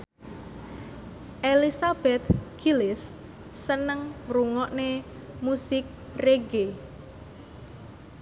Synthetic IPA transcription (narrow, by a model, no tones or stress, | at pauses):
ʔelisab̥ɛt̪ɡ̥ilɪsː | ənəŋmɾuŋɔʔne | musɪk̚ | reɡe